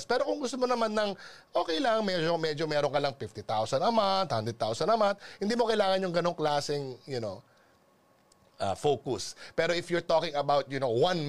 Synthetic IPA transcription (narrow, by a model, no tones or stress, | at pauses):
spɛːɾokʊŋɡʊst̪omonɐmanːɐŋʔoːkɛjlaŋɐŋmɛd͡ʒomɛd͡ʒomɛːɾoŋkɐlɐŋfɪft̪it̪awsɐnɐmat̪̚hand̪ɹɛd̪̚t̪awsɐnɐmat̪̚hɪnd̪iːmokɐjlaːŋɐnjʊŋɡɐno̞ŋklaːsɛŋjʊno | ʔɐ̰foːkʊspɛːɾoʔɪfjʊɹt̪oːkɪŋɐbawt̪̚jʊnowɐ̃n